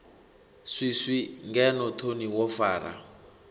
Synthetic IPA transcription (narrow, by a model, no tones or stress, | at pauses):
ʂiʂiŋɡɛnɔtʰoniwɔfaːra̰